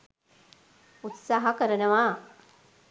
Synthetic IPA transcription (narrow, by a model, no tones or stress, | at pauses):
ut̪saɦɐkɐɾɐnɐʋaː